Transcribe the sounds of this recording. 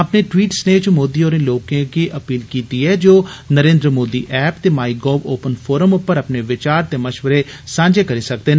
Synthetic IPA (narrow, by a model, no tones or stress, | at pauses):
əpneːʈwiːʈsneːt͡ʃmoːd̪iːoːɾẽːloːkẽːkiːʔəpiːlkiːt̪iːɛːd͡ʒoːnəɾẽːnd̪ɾəmoːd̪ḭːʔɛːpt̪eːmaːiːɡɔːʋoːpənpʰoːɾəmʊpːəɾəpneːʋɪt͡ʃaːɾt̪eːməʃʋəɾeː | sãːɲd͡ʒeːkəɾiːsək̚d̪eː